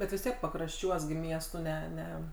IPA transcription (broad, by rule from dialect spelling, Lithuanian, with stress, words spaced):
bʲɛt ʋʲɪs ˈtʲiɛk pɐkrɐʃʲˈt͡ʃʲuɔs ɡʲɪ ˈmʲiɛstʊ ˈnʲɛ ˈnʲɛ